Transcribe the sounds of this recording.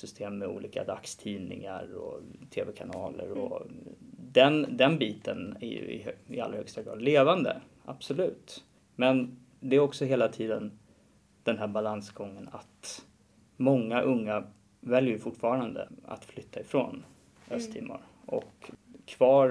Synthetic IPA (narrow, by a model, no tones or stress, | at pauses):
sʏst̪ʰeːmːɛṵːliːka̰d̪akst̪ʰiːnɪ̰ŋaɾɔt̪ʰeːvɛkʰanɑːlə̰ɾɔ | d̪ɛnd̪ɛnbiːt̪ənæ̰jɵ̰ɪ̰ɪa̰lːɾahœkst̪aɡɾɑːd̪leːvand̪ə̰ | ab̥sɔlʉ̟ːt̪ | mɛn | d̪ɛæɾɔksɔheːlat̪ʰiːd̪ən | d̪̥ɛnɦæɾbalansɡɔŋːənat̪ | mɔŋːaʔɵŋːa | vɛljəjɵfʊʈːfɑːɾand̪ə̰a̰t̪flʏt̪ʰːaɪfɾoːn | ɛst̪ʰɪmːa̰ɾ | ʔɔkʰːvɑːɾ